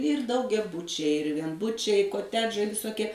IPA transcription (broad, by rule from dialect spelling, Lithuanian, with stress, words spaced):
ɪr dɐʊɡʲɛˈbʊt͡ʃʲɛɪ ɪr ʋʲiɛnˈbʊt͡ʃʲɛɪ ɪ koːˈtʲæːd͡ʒɐɪ ʋʲɪsoːˈkʲiɛ